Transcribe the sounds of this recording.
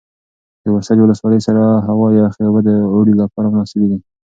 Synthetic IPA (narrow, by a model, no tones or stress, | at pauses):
d̪̥əwasaɾwʊləswɑləjsaɾaɦawɑjɑxebad̪əoɽilapɑɾamənɑsɪbeɡi